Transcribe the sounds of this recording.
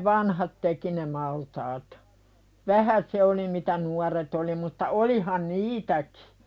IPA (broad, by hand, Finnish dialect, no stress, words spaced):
ʋɑnhɑt teki ne mɑltɑːt ʋæhæ se oli mitæ nuɑret oli mutːɑ olihɑn niːtæki̥